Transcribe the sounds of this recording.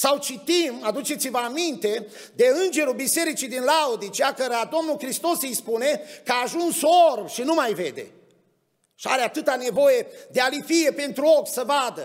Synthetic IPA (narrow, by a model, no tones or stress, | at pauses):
sawt͡ʃit̪imad̪ut͡ʃe̞t̪sivəamint̪e̞ | d̪e̞ɨnd͡ʒe̞ɾubise̞ɾit͡ʃid̪inlaod̪it͡ʃiakəɾad̪o̞mnulkɾist̪o̞sɨjspune̞kəaːʒunsorbʃinumajve̞̰d̪e̞̰ | ʃia̰ɾeat̪ɨt̪ane̞vo̞je̞d̪ealifije̞pe̞nt̪ɾuo̞kʲsəvad̪ə